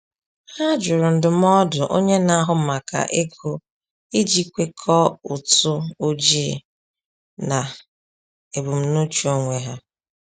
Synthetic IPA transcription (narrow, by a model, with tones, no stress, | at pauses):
ha˦d͡ʒʊ˨ɾʊ˨n̩˨dʊ˨m˦ɔ˦dʊ˨ʔo˦ɲe˦na˦˨a˦ɦʊ˦ma˨ka̰˨ʔe˦kʰo˦ | e˦d͡ʒi˦kʷe˦kʰɔ˦ʊ˨tʊ˦o˦d͡ʒi˦˨ | na˨ | e˨bu˨m̩˦no˦t͡ʃu˦o˦ŋʷe˨˦ɦa˦